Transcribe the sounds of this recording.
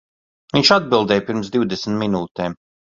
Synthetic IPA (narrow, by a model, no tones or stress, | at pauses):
viɲʲt͡ʃad̪̚bilˠd̪ɛːjpiɾmsd̪iwd̪ɛsn̩t̪minuːt̪ɛːm